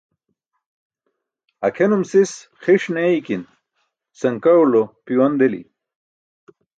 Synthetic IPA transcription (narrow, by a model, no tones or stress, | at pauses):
ɐkʰenumsis | xiʂneikin | sɐŋkɐulopiwɐnd̪elḭ